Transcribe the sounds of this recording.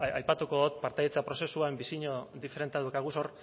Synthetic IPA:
ajpat̪uko̞ðot̪̚paɾt̪ajet͡sapɾo̞se̞suaembisiɲo̞ðife̞ɾe̞nt̪aðukaɣuso̞r

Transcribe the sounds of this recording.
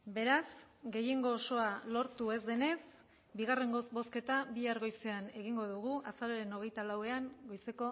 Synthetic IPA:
be̞ɾasɡe̞je̞ŋɡo̞ːso̞alo̞ɾt̪ue̞zd̪e̞ne̞s | biɣ̞are̞ŋɡosbo̞ske̞t̪aβiaɾɣo̞jse̞ane̞ɣ̞iŋɡo̞ðuɣuʔasaɾoɾe̞no̞ɣ̞e̞jt̪alawe̞aŋɡo̞jse̞ko̞

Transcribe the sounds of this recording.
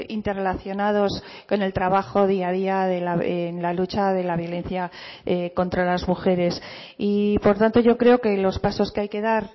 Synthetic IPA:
int̪erelaθjo̞nað̞o̞s | ko̞ne̞lt̪ɾaβaxo̞ðiaðiaðelaenlalut͡ʃaðe̞laβjo̞le̞n̟θjaeko̞nt̪ɾalazmuxe̞ɾe̞s | ipo̞ɾt̪ant̪o̞ʝo̞kɾe̞oke̞lo̞spaso̞skeajke̞ðaɾ

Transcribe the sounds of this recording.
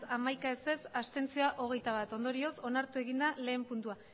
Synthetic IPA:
amajkaese̞sast̪e̞nt͡sioaʔo̞ɣ̞e̞jt̪aβat̪o̞nd̪o̞ɾio̞so̞naɾt̪ue̞ɣind̪ale̞ːmpunt̪ua

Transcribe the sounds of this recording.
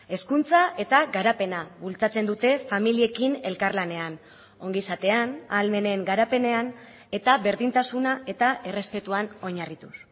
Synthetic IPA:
e̞skunt͡saʔe̞t̪aɡaɾape̞naβult͡sat͡se̞nd̪ut̪e̞familie̞kine̞lkaɾlane̞an | o̞ŋɡisat̪e̞ana̰lme̞ne̞ŋɡaɾape̞ne̞an | e̞t̪aβe̞ɾðint̪asunae̞t̪aʔe̞re̞spe̞t̪uano̞ɲarit̪us

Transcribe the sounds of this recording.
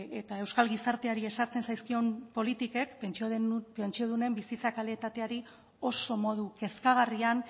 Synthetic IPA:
e̞t̪ae̞wskalɣisaɾt̪e̞aɾie̞saɾt͡se̞nsajskio̞mpo̞lit̪ike̞kpenpent͡ʃio̞ð̞une̞mbisit͡sakaleet̪at̪e̞aɾi | o̞so̞mo̞ðuke̞skaɣ̞arian

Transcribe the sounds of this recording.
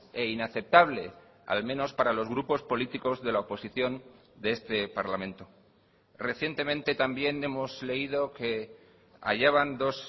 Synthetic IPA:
e̞inaθe̞p̚t̪aβle̞ | a̰lmẽ̞no̞spaɾalo̞zɣɾupo̞spo̞lit̪iko̞zðe̞laopo̞siθjo̞n | d̪eest̪e̞paɾlamẽ̞nt̪o̞ | re̞θje̞nt̪e̞mẽ̞nt̪e̞t̪ambje̞ne̞mo̞zle̞ið̞o̞ke̞ | a̰ʝaβand̪o̞s

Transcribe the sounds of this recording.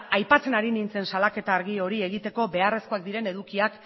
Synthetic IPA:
ajpat͡se̞naɾinint͡se̞nsalake̞t̪aːɾɣio̞ɾie̞ɣ̞it̪e̞ko̞be̞are̞skoak̚d̪iɾe̞ne̞ðukiak

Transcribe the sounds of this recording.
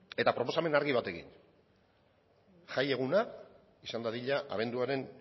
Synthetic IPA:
e̞t̪apɾo̞po̞same̞naɾɣiβ̞at̪e̞kḭn | ʝaje̞ɣuna | isand̪aðiʎaʔa̰β̞e̞nd̪uaɾe̞n

